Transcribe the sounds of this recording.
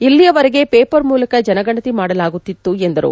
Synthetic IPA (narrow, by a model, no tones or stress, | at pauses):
ilːijɐʋɐɾeɡe̞peːpɐɾmuːlɐkɐd͡ʒɐnɐɡɐɳɐt̪imaːɽɐlaːɡut̪ːit̪ːuend̪ɐɾṵ